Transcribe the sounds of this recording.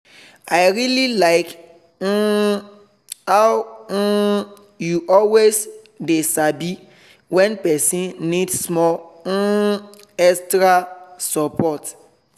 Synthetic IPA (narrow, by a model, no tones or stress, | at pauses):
aɪɹililaɪk̩ | haw̩ | juʔɔlwes | desabi | wɛ̃npɛsĩnnidsmɔl̩ | ɛstɹasɔpɔt